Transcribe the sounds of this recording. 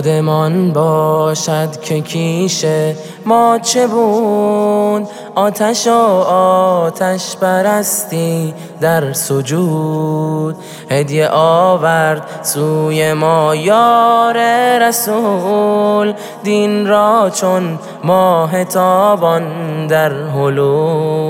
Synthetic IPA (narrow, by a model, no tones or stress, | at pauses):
d̪emɒnbɒːʃæd̪cʲʰekʰiʃe | mɒːt͡ʃʰe̞bu | d̪ | ʔɒːt̪ʰæʃoː | t̪ʰæʃpæɾæst̪iː | d̪æɾsod͡ʒuː | d̪̚ | hed̪ijeʔɒːvæɾd̪̚suːjemɔːjɔːɾeɾæsu | l | d̪inɾɔːt͡ʃʰon | mɔːɦet̪ʰɒːbɔnd̪æɾɦolu